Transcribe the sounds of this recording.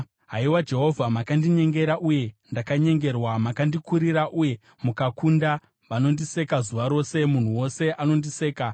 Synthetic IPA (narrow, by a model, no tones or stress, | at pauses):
ɦa̰iwad͡ʒe̞ɦo̞vʱamakandiɲe̞ŋɡe̞ɾaʔuje̞ndakaɲe̞ŋɡe̞rwamakandikuɾiɾaʔuje̞ | mukakunda | ʋano̞ndise̞kazuʋaɾo̞se̞mun̤uwo̞se̞ʔano̞ndise̞ːka